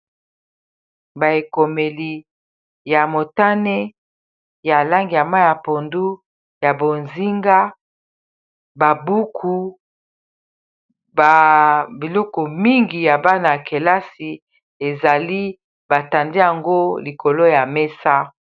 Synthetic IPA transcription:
ba˨e˨ko˨me˨li˨ | ja˨mo˨ta˦ne˦ | ja˨la˦ŋɡi˨ja˨ma˦ja˨po˨ndu˦ | ja˨bo˨nzi˦ŋɡa˦ | ba˨bu˦kʰu˨ | ba˨bi˨lɔ˦kɔ˨mi˦ŋɡi˨ja˨ba˦na˨ke˨la˦si˨ | e˨za˨li˦ | ba˨ta˨nde˦ja˨ŋɡo˦li˨ko˨lo˦ja˨me˦sa˦

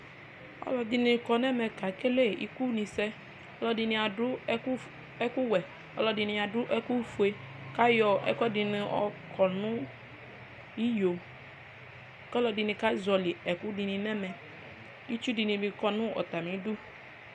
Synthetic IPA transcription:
ɔ̰˦lɔ˨d̪i˨nĩ˨kɔ˨nɛ̃˦mɛ̃˨ka˨ke˦le˦˨ḭ˦ku˦nĩ˨sɛ˦ | ɔ˦lɔ˦di˨nĩ˨a˨dʊ˦ | ɛ˦ku˦wɛ˨ | ɔ̰˦lɔ˨di˨nĩ˨a˨dʊ˦ʔɛ˦ku˦fu˨e˨ | ka˦jɔ˨ɛ̰˨kɔ˦di˨nĩ˨ɔ̰˨kʰɔ˨nʊ̃˦ | i˦jo˨ | kɔ˦lɔ˨di˨nĩ˨ka˦zɔ˨li˨ɛ˨ku˦di˨nĩ˨nɛ̃˦mɛ̃˨ | i˦t͡ʃu˦di˨nĩ˨bi˨kɔ˨nʊ̃˦ɔ̰˨t̪a˨mĩ˨˦du˦

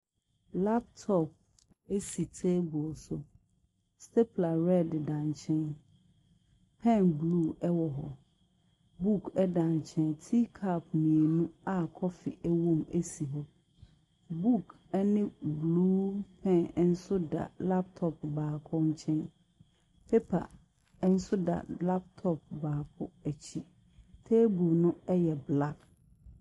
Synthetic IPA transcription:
la˦p̚tʰɔ˦˨p̚ | e˦si˨tʰe˦bɔ˨lsʊ˨ | stʰɛ˦pʰla˨ɾɛ˦˨ddã˨ɲ˨t͡ɕʰɛ̃˦n | pʰɛ̃˦˨nblu˦ɛ˦wɔ˨ɦɔ̰˨ | bu˦kʰɛ˦dã˨ɲ˨t͡ɕʰɛ̃˦ntʰi˦kʰa˦p̚nĩ˨e˨nũ˦a˦kʰɔ˦fɪ̰˨ʔɛ˦wõ˦me˦si˨ɦɔ˨ | bu˦˨k | ɛ˦nɪ̃˦bluː˦pʰɛ̃˦˨n˦n̩˦sʊ˦da̰˨la˦p̚tʰɔ˦p̚baː˨kʰɔ̃˦ɲ˦t͡ɕʰɛ̃˦n | pʰe˦pʰa̰˨˦ | n̩˦sʊ˦da̰˨la˦p̚tʰɔ˦˨p̚baː˨pʰʊ˦æ˨t͡ɕʰi˦ | tʰeː˦bu˨nʊ̃˦ɛ˦jɛ˨bla˦b

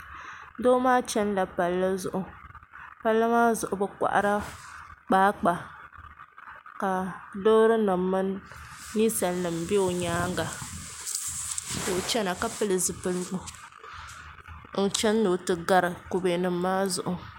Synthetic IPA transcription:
doː˦maː˦t͡ʃɛ˦nla˨pa˨lːɨ˦zʊ˨ʔʊ˨ | pa˦lːɨ˦maː˦zʊ˨ʔʊ˨bɛ˦kʷa̰˨ʔa̰˦ɾa˦k͡paː˦k͡pa˨ | ka˨loː˦ɾɨ˦nɨ˨mːɨ˦nː | i˦sa˨lnɨ˨mbe˦o˨ɲaː˦ŋ˦ɡa˨ | do˨t͡ʃɛ˦na˨ka˦pɨ˦lɨ˨zɨ˨pɨ˦lɨ˦ɡʊ˨ | n̩˦t͡ʃɛ˦n˦do˨tɨ˨ɡa˨ɾɨ˨ko˨be˨nɨ˨m̩ː˦aː˦zʊ̰˨ʔʊ˨

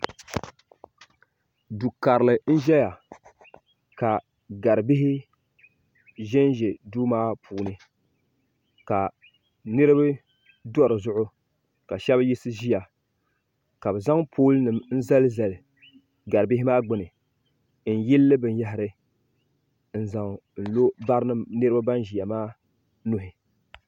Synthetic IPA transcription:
du˨ka˨ɾlɨ˨n̩˦ʒɛ˦ja˨ | ka˨ | ɡa˨ɾɨ˨bɪ˦ɦɪ˦ | ʒɛ˦nʒe˨duː˦maː˦pʰuː˨nɨ˦ | ka˨ | nɨ˦ɾɨ˦bɨ˦ | dɔ˦ɾɨ˨zʊ˦ʔʊ˦ | ka˨ʃɛ˦bji˦sɨ˦ʒi˦ja˨ | ka˨bɨ˨za˦ŋpʰoː˦lnɨ˨mn̩˦za˦lɨ˦za˨lɨ˨ | ɡa˨ɾɨ˨bɪ˦ɦɪ˦maː˦ɡ͡bɨ˦˨nɨ˨ | n̩˨ji˦lːɨ˦bɨ˨nja˦ɦɪ˨˦ɾɨ˦ | n̩˦za˨ŋ˨n̩˨lo˦ba˦ɾnɨ˦mnɨ˦ɾɨ˦ba˦ba˦nʒi˨ja˨maː˦ | nʊ˦ɦɪ˨

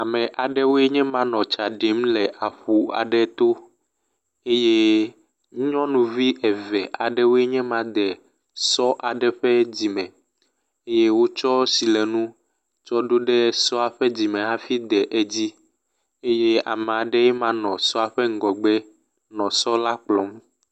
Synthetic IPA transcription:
a˨mɛ̃˨ʔa˨ɖɛ˦wo˦e˦ɲɛ̃˦mã˦nɔ̃˨t͡ʃa˨ɖe˨˦m˦lɛ˨ʔa˨ɸu˨a̰˨ɖɛ˦t̪o˦ | e˦je˦ | ũ˦ɲɔ̃˦nũ˨vi˦ʔɛ˨vɛ˨ʔa˨ɖɛ˦wo˦e˦ɲɛ̃˦mã˦d̪ɛ˨ | sɔ˦ʔa˨ɖɛ˦ɸɛ˦d͡ʑi˨mɛ̃˨ | e˦je˦wo˦t͡ʃɔ˦si˨lɛ˨nũ˦ | t͡ʃɔ˦ɖo˦ɖɛ˦sɔ˦a˨ɸɛ˦d͡ʑi˨mɛ̃˨a˦fi˦d̪ɛ˨ʔe˦d͡ʑi˦ | e˦je˦a̰˨mɛ̃˨a˨ɖɛ˦jɛ˦mã˦nɔ̃˨sɔ˦a˨ɸɛ˦ŋ̩˦ɡɔ˨ɡ͡bɛ˦ | nɔ̃˨sɔ˦la˦k͡plɔ˨˦m

